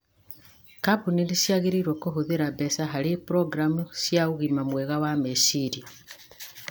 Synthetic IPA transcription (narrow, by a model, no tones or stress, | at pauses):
kabuninisjaɣiɾiɾwokoɦuðiɾabesaɦalipuɾoɡɾamusjauɣimamweɣawamesiɾi